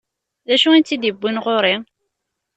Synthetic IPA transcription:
ðæʃuænt͡s̪ːid̪ibʷːinʁoɾi

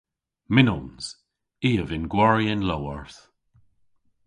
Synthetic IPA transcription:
mɪnɔnz̥ | iːəvɪnɡwaɹiənlowəɹθ

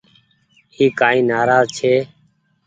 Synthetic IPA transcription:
iːkaːĩːnaːɾaːzt͡ʃʰeː

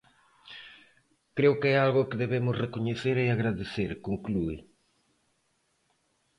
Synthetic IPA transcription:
kɾewkɛalɣʊkɪðeβemʊsrekoɲeθeɾeaɣɾaðeθeɾkoŋkluɪ̰

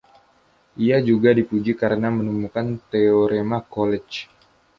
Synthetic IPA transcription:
ʔiad͡ʒuɡadipud͡ʒikaɾənamənumukant̪eoɾemakolɛt͡ʃ

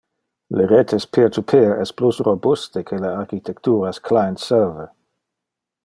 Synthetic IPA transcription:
leɾet̪ʰespʰeɾt̪upʰeɛsplusrobust̪ekʰeleaɾkit̪ʰɛkt̪uːɾaskʰlajntsɛɾvə

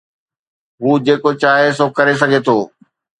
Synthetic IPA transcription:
ɦuːd͡ʑeːkot͡ɕaːɦes̬oːkɐɾes̬ɐɡʱet̪ʰoː

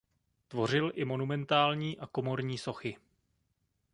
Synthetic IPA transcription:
t̪vo̞r̝ɪlʔɪmo̞numɛnt̪aːlɲiːʔako̞mo̞ɾɲiːso̞xɪ

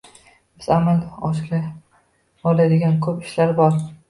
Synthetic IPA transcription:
bɪzamalɒʃkʲa | ɒlajd̪ɪɡʲankʰɵpɪʃlaɾbɒɾ

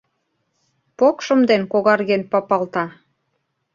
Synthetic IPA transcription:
pokʃə̆md̪enkoɣɑrɣenpɑpɑlt̪ɑ

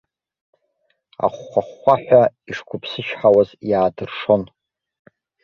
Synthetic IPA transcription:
a̰χːʷaχʷːaħʷaiʂkʷʊpʰsɨʃħawazjaːdɨrʂo̞n

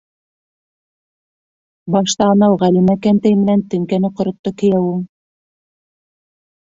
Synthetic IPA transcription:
bɑʃt̪ɑːnɑwʁælimækænt̪æjmɘ̆nænt̪ɵ̆ŋkænɘqŏɾŏt̪ːokɘ̆jæwuŋ

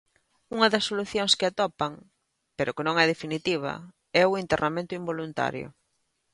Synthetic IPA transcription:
uŋɐðɐsːoluθjoŋskɪat̪ɔpɐŋ | peɾʊkenõŋɛðefinit̪iβ̞ɐ̰ | ɛʊient̪eramẽnt̪ʊimbolunt̪a̰ɾjʊ̰

